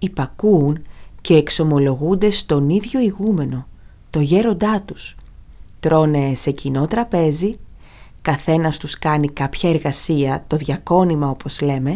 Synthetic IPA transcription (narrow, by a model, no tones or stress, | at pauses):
ipɐkuːnce̞ːkso̞mo̞lo̞ɣund̪e̞st̪o̞niðʝo̞iɣume̞no̞ | t̪o̞ʝe̞ɾo̞nd̪ɐt̪us | t̪ɾo̞ne̞se̞cino̞t̪ɾɐpe̞zi | kɐθe̞nɐst̪uskɐnikɐpçɐeɾɣɐsiɐt̪o̞ðʝɐko̞nimɐo̞pʰo̞z̥le̞me̞